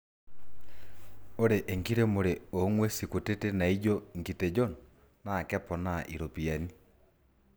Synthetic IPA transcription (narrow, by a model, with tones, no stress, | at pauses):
o˦ɾe˨ʔe˨ŋɡiɾe˦mo˨ɾeo˨˦ŋwe˦siku˨te˦tena˨i˦ɟɔ˦ŋɡi˨te˨d͡ʒɔ˦n | na˦˨kɛ˦pɔ˨na˦ʔḭ˨ɾo˨pi˨a˨ni